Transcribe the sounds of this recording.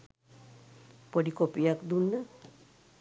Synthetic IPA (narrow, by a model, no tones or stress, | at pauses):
poɖikopijakd̪unːə